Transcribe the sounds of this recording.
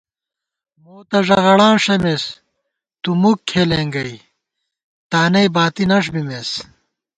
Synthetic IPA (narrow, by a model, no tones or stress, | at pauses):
moːt̪ɐʐɐʁɐɽãːʂɐmes | t̪umukʰːeleːŋɡɐj | t̪aːnɐjbaːt̪inɐʂ̬bimes